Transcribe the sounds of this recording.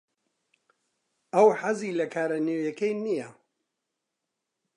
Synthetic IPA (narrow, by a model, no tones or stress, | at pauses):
ʔɐwħaziːlɐkʰaːɾɐnewjɛkejnijɐ